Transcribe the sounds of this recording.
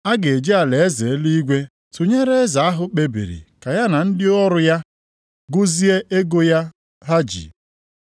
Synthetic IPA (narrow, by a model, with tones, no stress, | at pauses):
a˦ɡe˨d͡ʒi˦a˨le˨e˦ze˨e˦li˦i˦ɡʷe˦ | tu˨ɲe˦ɾe˦za˨a˦ɦʊ˨k͡pe˦bḭ˨ɾḭ˨ka˨ja˦na˨n̩˦dɪ˦ɔ˦ɾʊ˨ja˦ | ɡʊ˦zi˦e˦ʔe˦ɡo˦ja˦ | ɦa˦d͡ʒḭ˨